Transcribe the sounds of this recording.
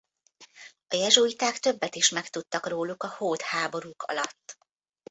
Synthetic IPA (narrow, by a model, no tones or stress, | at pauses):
ɒjɛʒujit̪aːkt̪ø̞bːɛt̪iʃmɛkt̪ut̪ːɒkroːlukɒhoːt̪haːbo̞ɾukʰɒ̰lɒt̪ː